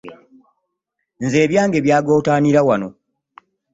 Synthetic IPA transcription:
nze̞ːβjaːŋɡe̞βjaːɡo̞ːtaːniɾawano̞

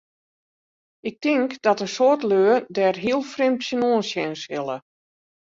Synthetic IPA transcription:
ɪk̚tɪŋkdɔtəsoːrtløədɛrɦiəlˠfrɪmtsənoənsjɛnshɪlˠə

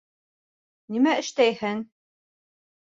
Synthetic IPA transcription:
nimæɘ̆ʃt̪æjhɘŋ

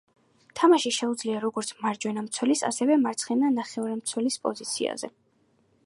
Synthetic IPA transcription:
t̪ʰamaʃiʃɛud̪zliaɾɔɡɔɾt̪sʰmaɾd͡ʒwɛnamt̪sʰwɛlisa̰sɛvɛmaɾt̪sʰχɛnanaχɛuɾɛmt̪sʰwɛlispʼɔ̰zit̪sʰḭa̰zɛ̰

